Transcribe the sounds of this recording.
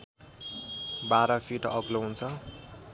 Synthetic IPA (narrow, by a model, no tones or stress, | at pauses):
baɾʌpʰiʈʌɡloɦunt͡sʰʌ